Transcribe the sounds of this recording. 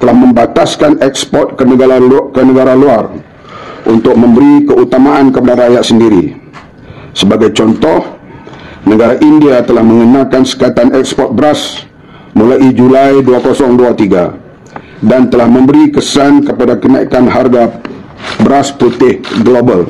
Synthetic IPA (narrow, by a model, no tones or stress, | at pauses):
t̪əlahmə̃mbat̪askanɛk̚spɔt̪̚kənəɡaakənəɡaɾaluar | ʔunt̪ʊk̚mə̃mbəɾikəut̪amaʔankəpadarajaʔ̪səndiɾḭ | səbaɡajt͡ʃɔnt̪ɔh | nəɡaɾaʔindiat̪əlahmə̃ŋənãkansə̥kat̪anɛkspɔt̪̚bəɾas | mulaʔid͡ʒulajduakosɔŋduat̪iɡa̰ | dant̪əlahmə̃mbəɾikəsankəpadakənaikanɦarɡa | bəɾasput̪ɪhɡlobal